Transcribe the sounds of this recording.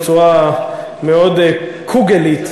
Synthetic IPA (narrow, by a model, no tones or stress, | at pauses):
t͡sua | meod̪kʰuɡelit̪